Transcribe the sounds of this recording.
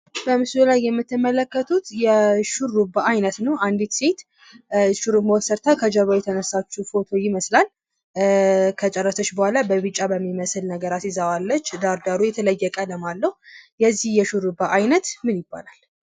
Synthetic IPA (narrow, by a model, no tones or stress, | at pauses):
b̥əmɨslulajːɛmːɨt̪ʰːɨmələkːət̪ʰut̪jɛʃuɾːubaajnət̪nəwʔand̪it̪set̪ | ʃuɾumawsəɾt̪ʰakʰəd͡ʒəβajɛt̪ʰənəsːat͡ʃːufo̞t̪ʰo̞jɪməslal | kʰət͡ʃʼərːəsət͡ʃːbəhʷalabəβɨt͡ʃʼːabəmːiməslnəɡəɾasizawalːət͡ʃːd̪aɾd̪aɾujɛt̪ʰələjːəkʼələmalːəhujɛzːihjɛʃuɾubaʔajnət̪mɨnjɪbːa̰lal